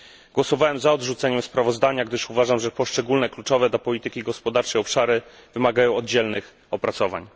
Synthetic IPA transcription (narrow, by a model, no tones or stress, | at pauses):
ɡwɔsɔvawɛmzaɔd̪ʐut̪sɛɲɛmspɾavɔzd̪aɲaɡd̪ɘʂuvaʐamʐɛpɔʂt͡ʂɛɡulnɛklut͡ʂɔvɛd̪lapɔlʲit̪ɘkʲiɡɔspɔd̪aɾt͡ʂɛjɔpʂaɾɘvɘmaɡajɔ̃w̃ɔd̪̚d͡ʑɛlnɘx | ɔpɾat̪sɔva̰ɲ